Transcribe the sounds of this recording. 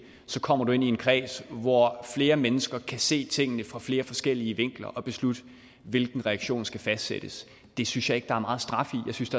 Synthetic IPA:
sɒ̽kʰɒ̽m̰ɐd̥ue̝nie̝nkʰʁɛ̰ːsʋɒfle̝ːɐmenəsɡ̥ɐkʰæse̝̰ːt͡sʰe̝ŋ̰ənəfʁɑ̈fle̝ːɐfɒ̽sɡ̥el̰iəʋe̝ŋ̰ɡ̥lɐ̰ʔɒ̽b̥e̝slud̥ | ʋe̝lɡ̥n̩ʁɛɑɡ̥ɕo̝̰ːnsɡ̥æfæsd̥sḛd̥əs | d̥e̝synsjɑ̈e̝ɡ̥dɑ̈æɐmɑ̈ːð̞̩ˠsd̥ʁɑ̈fijɑ̈ɪsynsd̥ɑ

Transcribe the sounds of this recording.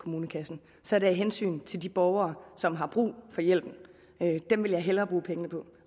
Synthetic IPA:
kʰo̝muːnəkʰæsn̩ | sɒ̽æɐɾeiɦensy̰ːnt͡sʰe̝ld̥ib̥ɒʊɐːsɒ̽mɦɑ̈b̥ʁṵːfɒ̽jel̰b̥n̩ | ød̥emʋeljɑ̈ɪɦelɐːb̥ʁuːpʰeŋənəpʰɒ̽

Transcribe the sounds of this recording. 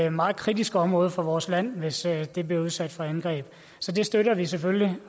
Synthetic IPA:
mɑ̈ːð̩ˠkʰʁid̥isɡ̥əɒ̽mʁɔ̽ːð̞ˠfɒ̽ʋɒːslæn̰ʋe̝sd̥e̝b̥liɐuð̞ˠsæd̥fɒænɡ̥ʁɛ̰ːb̥ | sɒ̽d̥e̝sd̥øɾɐʋis̬efølli

